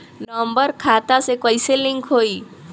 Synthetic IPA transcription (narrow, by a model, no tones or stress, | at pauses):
nəmbəɾkʰat̪asekəjseliŋɡʰɦoi